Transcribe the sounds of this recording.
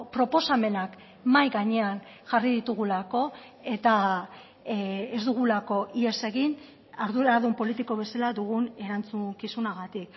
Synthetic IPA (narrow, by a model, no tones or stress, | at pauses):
pɾo̞po̞same̞nak | majɣaɲe̞anʝariðit̪uɣ̞ulako̞ | e̞t̪a | ezd̪uɣ̞ulako̞ʔie̞se̞ɣin | aɾðuaðumpo̞lit̪iko̞βe̞salad̪uɣ̞une̞ɾant͡sukisunaɣ̞at̪ik